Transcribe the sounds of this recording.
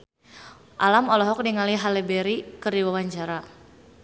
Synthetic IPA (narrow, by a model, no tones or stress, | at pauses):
ʔa̰lamɔlɔɦɔk̚diŋaliɦalɛbɛɾikərdiwawaɲt͡ʃaɾa